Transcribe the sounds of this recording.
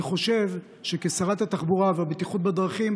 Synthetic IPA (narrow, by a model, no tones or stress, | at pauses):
χo̞ʃe̞v | ʃekesaʁat̪hat̪aχbuʁaveabet̪iχut̪̚bad̪ʁaχim